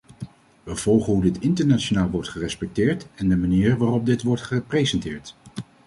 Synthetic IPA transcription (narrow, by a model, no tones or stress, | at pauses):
ʋəv̥ɔlˠχəɦudɪtɪntəɹnat͡ʃonaːlˠʋɔɹtχərɛspɛk̚tɪːɹtɛndəmaniːɹʋaːrɔp̚dɪtʋɔɹtχəprejzɛntɪːɹt